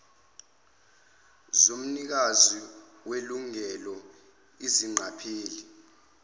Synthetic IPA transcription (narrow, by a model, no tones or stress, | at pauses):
zom̩nik̬azi | weluŋɛlɔ | iziŋ͡ǃʱapʰeːli